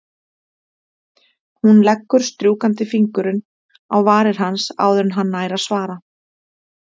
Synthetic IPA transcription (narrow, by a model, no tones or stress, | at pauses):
hunlɛkːʏɾ̥st̪ɾjuːkant̪ɪfiŋkʏɾʏn | awvaːɾɪɾ̥ɦansa̰ːwðʏɾnɦanːaːjɾaðsvaːɾa